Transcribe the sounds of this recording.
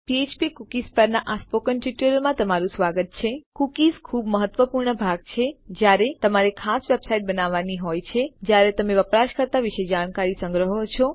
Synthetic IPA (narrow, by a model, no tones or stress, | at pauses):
piet͡ʃpikukispəɾnaʔaspokənʈiʈəlmãt̪əmaɾũsʋaɡət̪̚t͡ʃʰekukizkʰuːbməɦət̪ʋəpuɾɳəbʱaɡt͡ʃʰed͡ʒjaɾet̪əmaɾekʰasʋebsaiʈ̚bənaʋːaniɦojt͡ʃʰed͡ʒjaɾet̪əmeʋəpɾaʃkəɾt̪aʋiʃed͡ʒaɽ̃kaɾisə̃ŋɡɾəɦot͡ʃʰɔ